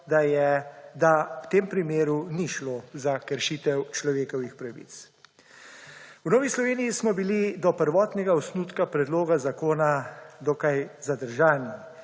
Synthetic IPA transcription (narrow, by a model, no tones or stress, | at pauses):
d̪ajɛd̪awt̪eːmpɾimeːɾuniʃloːzakəɾʃit̪ɛwt͡ʃlɔʋeːkɔʋixpɾaʋḭt̪s | wnɔːʋislɔʋeːnijismɔbilid̪ɔpəɾʋɔːt̪nɛɡaɔsnut̪kapɾɛd̪loːɡazakoːnad̪ɔkajzad̪əɾʒaːni